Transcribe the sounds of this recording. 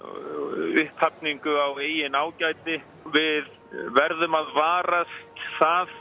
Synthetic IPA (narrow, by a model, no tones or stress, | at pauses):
ʏht̪ʰhap̚niŋkʏaweːjɪnaːwcajt̪ɪ | vɪð | vɛɾðʏmaðvaːɾast̪θað